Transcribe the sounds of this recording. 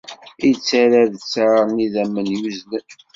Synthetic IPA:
it͡sːaɾaðət͡sːaɾniðæmənjuznə

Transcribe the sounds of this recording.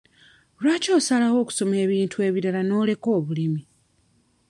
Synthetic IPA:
lwaːco̞ːsalaɣo̞ːku̥so̞meːβiːntue̞ːβiɾalano̞ːle̞ko̞ːβulimi

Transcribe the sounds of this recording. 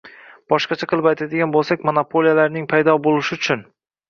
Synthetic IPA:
b̥ɒʃqɑt͡ʃʰaqʰɨlˠɪpajt̪ʰad̪ɪɡʲanbolˠsakʲmonapʰolijalaɾnɪŋpʰajd̪ɒbolˠɪʃɪʊt͡ʃʰʊn

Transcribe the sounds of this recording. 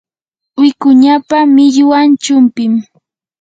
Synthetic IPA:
wɪkʊɲapamɪʎwant͡ʃʊmpɪm

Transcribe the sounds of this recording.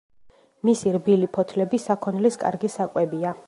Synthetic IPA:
misiɾbilipʰɔt̪ʰlɛbisakʰɔnliskʼa̰ɾɡisakʼwɛbia

